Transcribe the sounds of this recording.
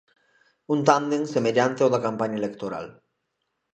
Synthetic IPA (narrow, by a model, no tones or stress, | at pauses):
unt̪̬and̪eŋsemeʎant̪eoðakampaɲaelekt̪oɾa̰l